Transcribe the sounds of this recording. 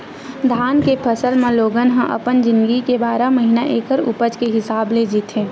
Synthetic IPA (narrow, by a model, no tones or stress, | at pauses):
d̪ʱaːnkepʰəsəlmãloːɡənɦə̃ʔə̰pənd͡ʒɪ̃nd̪ɡikebaːɾaməɦinaʔeːkəɾʊ̰pəd͡ʒkeɦɪsaːbled͡ʒit̪ɦẽː